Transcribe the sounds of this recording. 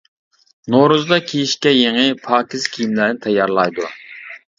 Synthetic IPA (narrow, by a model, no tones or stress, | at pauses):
noɾuzd̪ɑkʲʰijiʃkʲɛjeŋɨpʰɑːkʲizkʲʰijimlæɾnɪt̪ʰɑjɑɾlˠɑjd̪u